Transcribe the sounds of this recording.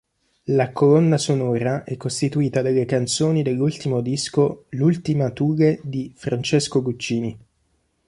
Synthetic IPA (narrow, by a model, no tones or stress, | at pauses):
lakolɔnːasonɔːɾaʔɛkːost̪it̪uiːt̪ad̪alːekant̪soːnid̪elːult̪imod̪iskolult̪imat̪uːɣed̪ifɾant͡ʃeskoɡut͡ʃːiːni